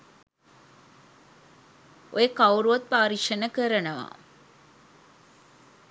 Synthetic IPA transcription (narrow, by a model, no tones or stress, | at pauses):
ojəkɐwɾuʋɐt̪̚paːɾiʂɐnəkəɾɐnɐʋa̰ː